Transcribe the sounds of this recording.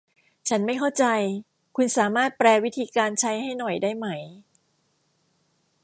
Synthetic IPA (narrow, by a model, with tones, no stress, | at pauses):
t͡ɕʰa˦˥nma˥˩jkʰa˥˩wt͡ɕa˧j | kʰu˧nsaː˩˦maː˥˩t̪̚pɾɛː˧wi˦˥t̪ʰiː˧kaː˧nt͡ɕʰa˦˥jɦa˥˩jnɔ˨˩jdaː˥˩jma˦˥j